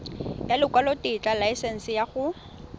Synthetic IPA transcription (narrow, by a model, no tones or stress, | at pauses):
jalɪkʼwalɔtʼɪt͡ɬʼalajsɛn̩sɪjaɣʊ